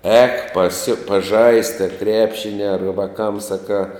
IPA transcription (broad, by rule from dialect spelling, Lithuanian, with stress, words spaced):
ɛːk pɐsʲɪ pɐˈʒɐɪst ɐ ˈkrʲæːpʲʃʲɪnʲɪ ɐr ˈʋɑːkɐm sɐˈkɑː